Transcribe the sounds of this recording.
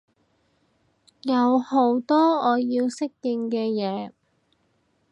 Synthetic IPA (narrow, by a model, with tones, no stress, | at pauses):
jɐ˨˧who˨˥wt̪ɔː˥ɔː˨˧jiː˧wsɪ˥k̚jɪ˧ŋkɛː˧jɛː˨˧